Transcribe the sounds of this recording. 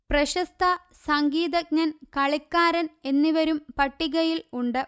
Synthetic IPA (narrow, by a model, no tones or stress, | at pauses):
prɐɕɐst̪ʰɐ | sɐŋɡiːðɐɡ̚ɲɐnkɐɭikːaːɾɐne̞nːiʋɐɾumpɐʈːiɣɐjiluɳɖɨ